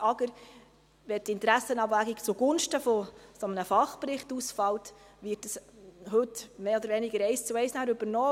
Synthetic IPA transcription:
ɑɡəɾ | ʋɛtɪntɾæsənɑbvæɡikt͡suɡ̥ʊnʃtəfɔsɔmənəfɑχprɪχtusfɑlt | ʋɪːtəshɵtmeːɔd̪əɾʋɛnɪɡəɾɛɪst͡suɛɪsnæːɾɵbəɾnɔː

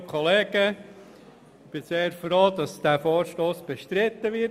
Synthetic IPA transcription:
kʰoleːɡ̥ə | ɪb̥ɪseːɾfɾoːdɑsd̥æːfoːɾʃtoːsb̥ɛʃtɾɪt̪ːəʋɪ

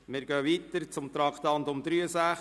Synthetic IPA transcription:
mɪːɾɡœːʋiːt̪əɾt͡sʊmt̪ɾɑkt̪ɑnt̪ʊmd̪ɾyəsæ

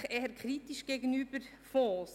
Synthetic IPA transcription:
χeːəɾkʰχɾitiʃɡ̥eɡənyːb̥əɾ | fɔ̃ːs

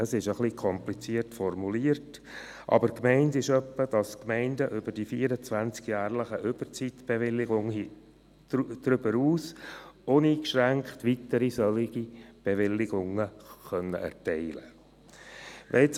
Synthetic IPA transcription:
əsɪʃəχlikʰɔmplit͡siəɾtfɔɾmuliːəɾt | ʔɑ̰bəɾkmɛɪndɪʃœpːəd̥ɑskmɛɪndəʔʏb̥əɾdifiːəɾət͡sʋænt͡skjæːɾləχəʔʏb̥əɾt͡sit̪b̥ɛʋɪlːɪɡʊŋhi | d̥̪ɾʏb̥əɾuːsʊniːkʃɾæŋkχtʋitəɾisœlɪɡ̥ib̥ɛʋɪlːɪɡʊŋəχœnːə̰ʔɛ̰ɾtɛɪlə | ʋʔɛ̰t͡s

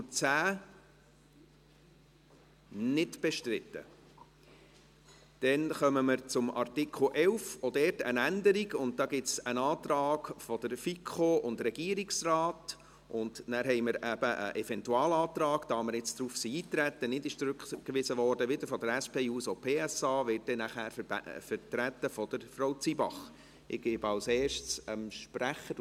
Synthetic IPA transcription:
t͡sæː | nɪtb̥eʃtɾɪt̪ːə̰ | d̥ɛnχœməməɾt͡sʊmɑ̰rtikʰl̩ʔɛlfɔdɛːrtə̰nændəɾiɡʊnt̚d̥̪ɑːɡɪt͡sənɑːt̪rɑːɡfɔd̪əɾfikʰoʔʊndɾɛɡiːəɾiksrɑːt | ʔʊndnæːɾɦɛɪməɾæb̥əʔə̰ʔɛfɛntuɑːlɑːt̪rɑːɡd̥̪ɑːməɾɪt͡sd̥ɾuːfsiiːt̪ɾætːənɪdɪʃt͡sɾʉkkʋɪsəʋɔːrd̥əʋɪd̥əɾfɔd̥̪əɾæspʰeːuːsopʰeːɛsɑːʋɪt̚dɛnæχæːɾfəɾtɾæt̪ːəfɔd̥əɾfɾowt͡sibɑ̰χ | ɪɡɪbɑlsɛːʃtsəmʃpɾæχəɾ

